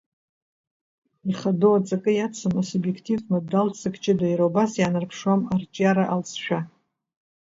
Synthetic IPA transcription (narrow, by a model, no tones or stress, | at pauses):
iχadoat͡sʼakʼɨjat͡sʰɨmasubjekʰtʰivnɨdalt͡sʰʼɨkʼt͡ʃʼɪdajɾawbasjanarpʰʂwamart͡ʃʼjaɾaʔalsʃᶣa